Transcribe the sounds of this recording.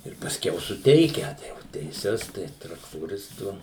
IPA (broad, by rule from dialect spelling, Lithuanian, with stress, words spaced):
ɪr pɐsʲˈkʲɛʊ sʊˈtʲɛɪkʲɛ tɐɪ jɛʊ tʲɛɪˈsʲɛs ˈtɐɪ trɐktoːˈrʲɪstʊ